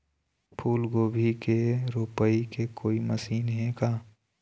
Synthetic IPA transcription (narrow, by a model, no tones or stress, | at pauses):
pʰuːlɡoːbʱikeɾupəikekʰoːiməsiːnɦẽkaː